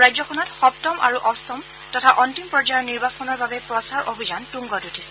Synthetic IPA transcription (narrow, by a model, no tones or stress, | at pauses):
ɹajzɔkʰɔnɔtxɔp̚tɔmʔa̰ɹuʔɔstɔm | tɔtʰaʔɔntimpɹɔd͡ʒajɔɹniɹbasɔnɔɹbabɛpɹɔsaɹʔobʱizantuŋɡɔdutʰisɛ